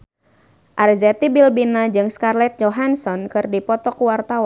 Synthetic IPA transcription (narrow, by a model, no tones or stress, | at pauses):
ʔarzɛt̪ibilbinad͡ʒɨŋskarlɛt̪̚d͡ʒɔɦansɔnkɨrdipɔt̪ɔkuwart̪awa